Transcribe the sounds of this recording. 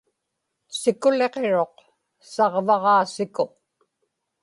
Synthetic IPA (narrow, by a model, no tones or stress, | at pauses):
sɪkʊle̞qeɻo̞q | sɑʁvɑʁɑːsɪkoq